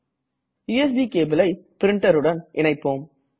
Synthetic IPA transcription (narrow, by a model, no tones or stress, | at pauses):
juːɛs̬biːkeːbɪlɐɪpɪɾɪɳʈɐɾɯɽɐnʔɪɳɐɪpːoːm